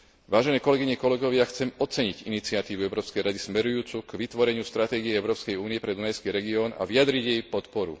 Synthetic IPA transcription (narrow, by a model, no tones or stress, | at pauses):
ʋaːʒɛnɛːkɔlɛɡiɲɛkɔlɛɡɔʋɪaxt͡sɛmɔt͡sɛɲiɟinit͡siat̪iːʋuɛʊɾɔːpskɛjɾad̪ismɛɾujuːt͡sukʋit̪ʋɔɾɛɲɪust̪ɾat̪ɛːɡiɛɛʊɾɔːpskɛjuːnijɛpɾɛd̪unajskiːɾɛɡiɔːna̰ʋiad̪ɾiɟjɛjpɔt̪pɔɾṵ